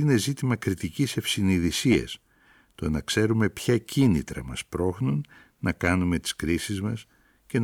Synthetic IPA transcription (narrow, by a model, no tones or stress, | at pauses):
ine̞zit̪imɐkɾit̪icise̞fsiniðisiɐ̰s | t̪o̞nɐkse̞ɾume̞pçɐcinḭt̪ɾɐ̰mɐ̰spɾo̞xnunː | ɐkɐnume̞t̪i̥skɾisizmɐs | ce̞n